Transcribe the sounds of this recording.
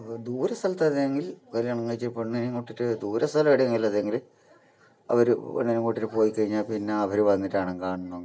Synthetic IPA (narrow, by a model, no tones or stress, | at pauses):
d̪uːɾɐst̪ʰɐlɐt̪ːɐðeŋɡilkɐliɐɳɐŋːɐːjt͡ɕːipːeɳːiniŋkoʈːiʈːɨd̪uːɾɐst̪ʰɐlɐeɽiŋilɐðeŋɡil | ɐ̰ʋɐɾṵḛɳːinuŋkoʈːiʈːɨpo̞ːjikːɐɻiɲːaːlpinːe̞ɐʋɐɾuʋɐnːiʈːaːɳɐŋkaːɳunːoŋ